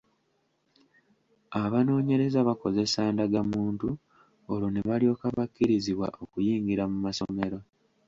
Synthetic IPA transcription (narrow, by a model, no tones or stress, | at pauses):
aβano̞ːɲe̞ɾe̞zaβako̞ze̞saːndaɡamuːntu | oloneβalio̞ːkaβakːiɾiziβwa̰ʔo̞kujiːŋɡiɾamumaso̞me̞ɾo̞